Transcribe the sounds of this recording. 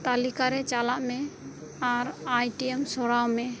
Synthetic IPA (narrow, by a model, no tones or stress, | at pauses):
t̪alikaɾɛt͡ʃalaʔmɛaɾajʈiɛmsɔɽawmɛ